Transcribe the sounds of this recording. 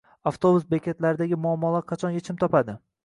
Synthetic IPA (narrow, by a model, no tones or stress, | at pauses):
aft̪obusbekʲʰet̪laɾɪd̪aɡʲɪmʊamːɒlaqʰɑt͡ʃʰɒnjet͡ʃʰɪmt̪ʰɒpad̪ɪ